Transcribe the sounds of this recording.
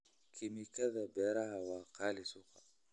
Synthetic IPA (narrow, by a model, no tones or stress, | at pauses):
kʰimikaðabɛɾahawaqalisuqa